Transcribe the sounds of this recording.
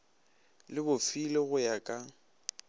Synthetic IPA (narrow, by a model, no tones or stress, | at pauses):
lɪbʊfileɣʊjakʼa